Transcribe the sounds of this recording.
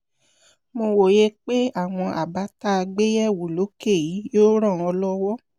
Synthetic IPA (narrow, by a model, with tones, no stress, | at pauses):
mo˧wo˨je˦k͡pe˦a˦˨w̃ɔ̃˧ʔa̰˨ba˨˦ta˦˧ɡ͡be˦jɛ˦˨wo˨lo˨˦ke˦˨ji˨˦jo˦ɾ̃ã˦˨ɔ˧lɔ˦wɔ˦